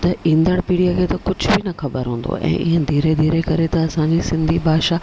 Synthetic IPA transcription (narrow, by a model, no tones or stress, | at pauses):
t̪ɐĩːnd̪əɽpiːɽijakʰeːt̪ɐkʊd͡ʑʱʊbinɐxɐbəɾɦũːn̆d̪o̰ʔɛ̰̃ːʔɪ̰ɦə̃d̪ʱiːɾed̪ʱiːɾekɐɾet̪ɐɐsãɲd͡ʑisɪ̃nd̪ʱibʱaːʃa